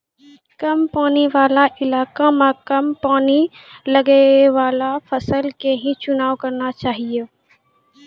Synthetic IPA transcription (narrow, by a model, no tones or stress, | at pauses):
kɐmpaːniʋaːlaʔɪlaːkamakɐmpaːniləɡeʋaːlafʰəsəlkeɦĩt͡ʃʊnaːʋkɐɾnat͡ʃaːɦie